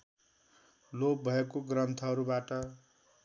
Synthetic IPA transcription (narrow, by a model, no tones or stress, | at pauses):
lob̚bʱʌekoɡrʌnt̪ʰʌɦʌɾubaʈʌ